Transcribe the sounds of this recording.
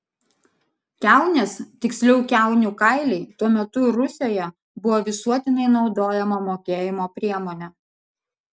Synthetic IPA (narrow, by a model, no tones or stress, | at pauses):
kʲæˑʊnʲeːst̪ʲɪksʲlʲɛʊkʲæˑʊnʲʊkɐɪlʲɛɪt̪uɔmʲɛt̪ʊɾʊsʲeːjɛ | bʊʋoːʋʲɪsuɔt̪ʲɪnʲɐɪnɒʊd̪oːjɛmɐmoːkʲeːjɪmoːpʲɾʲiɛmoːnʲɛ